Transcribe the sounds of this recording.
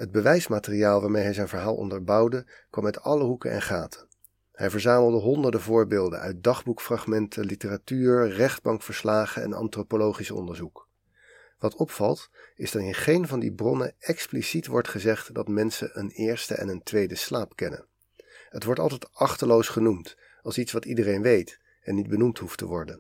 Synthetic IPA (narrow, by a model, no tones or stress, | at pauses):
ɦəd̚bəʋɛjsmaːtəriaːlˠʋaːɹmejɦɛjzɛjnvəɹɦaːlˠʔɔ̰ndəɹbɑwdə | kʋɑmɛtɑləɦukə̰nɛ̰nχaːtʰə̥ | hɛjvəɹzaːməlˠdəɦɔndəɹdəvʊːɹbeːlˠdə̰nœ̰ɥt̚dɑχbukfrɑχmɛntʰəlitəratyːɹrɛχd̚bɑŋkfəɹslaːχəɛ̰nɑ̰ntropolowχisɔ̰ndəɹzuk | ʋɑtʰɔpfɑlˠtɪzdɑtɪnχejnvɑndibrɔnə̰ɛksplisitʋɔɹtχəzɛχtdɑtmɛnsəʔənɪːɹstə̰ʔɛ̰nəntʋejdəslaːpkɛnə̰n | ɦətʋɔɹtɑ̰lˠtɛjtɑχtəlowsχənumt | ɑlˠsitsʋɑtidərejnʋejt | ɛnːid̚bənumtɦuftə̰ʋɔɹdən